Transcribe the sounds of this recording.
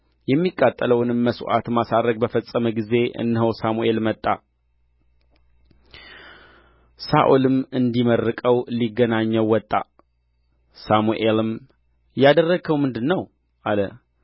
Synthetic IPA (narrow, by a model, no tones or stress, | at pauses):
jɛmːikʼːat̪ʼːələwnɨmːəsṵʔa̰t̪masaɾəkʼbəfəsʼːəməɡize̞ʔɨ̰nːɦəwsamuʔe̞lmət̪ʼːa | sa̰ʔulɨmɨnd̪imərːɨkʼəwliɡːənaɲːəwːɔt̪ʼːa̰ | samuʔelɨm | jad̪ərːəɡəwmɨnd̪ɨnːəw | ʔalə